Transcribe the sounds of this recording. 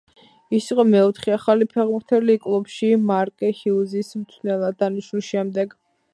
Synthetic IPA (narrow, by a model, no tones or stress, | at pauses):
isiqʼɔmɛɔt̪ʰχɛaχalipʰɛʁbuɾt̪ʰɛlikʼlˠubʃimaɾkʼɛhiuzismt̪sʰwnɛlˠad̪aniʃnulˠʃɛmd̪ɛɡ